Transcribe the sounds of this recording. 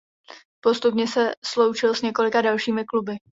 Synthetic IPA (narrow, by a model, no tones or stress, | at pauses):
po̞st̪upɲɛsɛslo̞wt͡ʃɪlsɲɛko̞lɪkadalʃiːmɪklubɪ